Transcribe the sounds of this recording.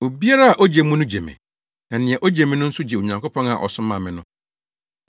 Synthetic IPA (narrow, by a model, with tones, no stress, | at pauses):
o˨bi˦a˦ɾa˦a˨ʔɔ˦d͡ʑe˨mũ˦nʊ̃˦d͡ʑe˨mɪ̰̃˨ | ɛ˨nɪ̃˨ɛ˨ʔɔ˦d͡ʑe˨mɪ̃˦nʊ̃˦n̩˦sʊ˦d͡ʑe˨o˨ɲã˨ŋko˦pʰɔ̃˦na̰˨ʔɔ̰˨sʊ̃˦mã˨mɪ̃˨nʊ̃˦